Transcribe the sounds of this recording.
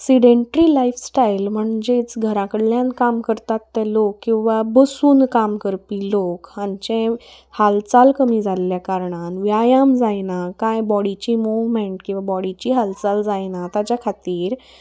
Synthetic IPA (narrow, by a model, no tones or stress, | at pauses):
ksiɖeɳʈəɾilajfsʈajlm̤əɳd͡zet͡sɡʱəɾãkəɽljãnkamkəɾt̪at̪ːɛlokːĩw̃ʋabəsuːnkamkəɾpilokaɲt͡ɕẽ | halt͡salkəmid͡zʱalːjakaɾɳanʋjajamd͡zajnakajbɔɽit͡ɕimuʋmẽɳʈkĩw̃ʋabɔɽit͡ɕiɦalt͡sald͡zajnat̪at͡ɕjakʰat̪iːɾ